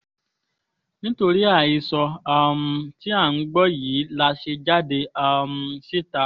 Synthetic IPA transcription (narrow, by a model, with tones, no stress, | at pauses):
nĩ˦to˧ɾi˦a˦˨ji˧sɔ˧a˦˧m̩˧ti˦a˦˨n̩˦ɡ͡bɔ˦jiː˨˦la˧ʃe˧d͡ʒa˦de˧a˧m̩˧si˦˨ta˨˦